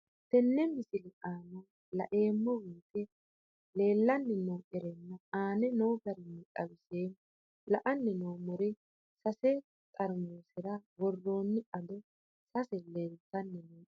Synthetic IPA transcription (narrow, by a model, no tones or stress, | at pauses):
t̪ɛnːɛmɪsɪlɛʔaːnɐ | lɐ̰ʔe̞ːmːɔwiːt̪ɛ | le̞ːlːɐnːɛnoːʔɛɾɛnːɐaːnɛnoːɡɐɾɪnːɪkʼɐwɪseː | lɐʔɐnːɛnoːmɔɾɛ | sɐsɛ | t̪ʼɐɾmoːsɛɾɐwɔrːo̞ːnːɪʔɐd̪ɔ | sɐsɛleːlt̪ːɐnːɛnɛː